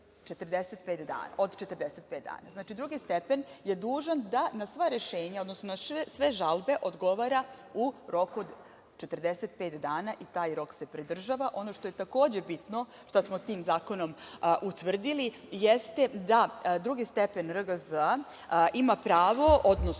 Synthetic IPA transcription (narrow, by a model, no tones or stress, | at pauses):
t͡ʃet̪ərd̪eset̪̚peːt̪d̪a̰ːnaod̪t͡ʃet̪ərd̪eset̪̚pet̪d̪a̰ːna̰znaːt͡ʃid̪ɾuɡist̪epenje̞d̪uːʒand̪anasʋaɾe̞ʃe̞ːɲao̞d̪nosnonaʃsʋe̞ʒalbe̞ʔo̞d̪ɡo̞ʋaɾauɾo̞kuod̪ | t͡ʃe̞t̪rd̪eset̪̚peːt̪d̪aːnaʔit̪aːjɾo̞kse̞pɾid̪r̩ʒaʋaʔo̞no̞ʂt̪ojet̪ako̞ːd͡ʑe̞bit̪no̞ | ʂt̪asmot̪iːmzaːko̞no̞mʔut̪ʋər̩d̪ilijest̪e̞d̪ad̪ɾuɡist̪epenɾəɡəzə | ʔimapɾaːʋo̞ʔod̪no